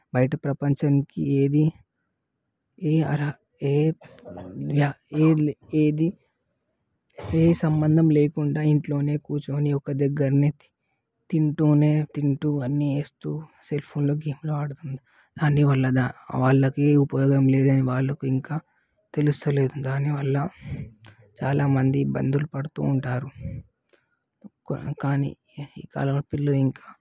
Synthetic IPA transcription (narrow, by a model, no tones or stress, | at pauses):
bɐjʈɐpɾɐpɐɲt͡ʃɐnkieːd̪i | eːɐɾa | eː | aːeːeːd̪i | eːsɐmbɐnd̪ʱɐmle̞ːkuɳɖaːiɳʈlo̞ːne̞ːkuːɾt͡ʃoːniɔkɐd̪ɛɡːɐɾneːt̪i | t̪iɳʈuːne̞ːt̪iɳʈuɐnːieːst̪uːselpʰoːnlo̞ːɡeːmloaːɽut̪und̪i | d̪̥aːnːiʋɐlːɐd̪aʋaːɭːɐkeupɐjɔːɡɐmle̞ːd̪ɐniʋaːɭːɐkuiŋkaː | t̪e̞lust̪ɐle̞ːd̪ud̪aːniʋɐlːɐ | t͡ʃa̰ːlaːmɐnd̪ibɐ̰nd̪ulupɐɽut̪ṵːɳʈaːɾu | kkaːnḭ | iːka̰ːlɐmlɐpilːɐiŋkaː